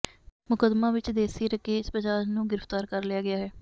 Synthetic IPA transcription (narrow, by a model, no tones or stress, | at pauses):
mʊkəd̪mãːʋɪt͡ʃd̪eːsiːɾəkeːɪspəd͡ʒaːd͡ʒnũːɡɪɾəft̪aːɾkəɾlɪjaːɡɪjaːɦɛː